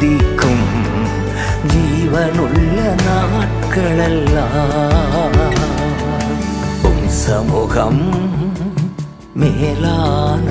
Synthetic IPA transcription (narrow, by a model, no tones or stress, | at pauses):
ɪkːɯm | d͡ʒiːʋɐnʊɭːɐnɐɐʈ̚kːɐɭɛlːaː | pʊmsɐmʊɣɐm | meːlaːn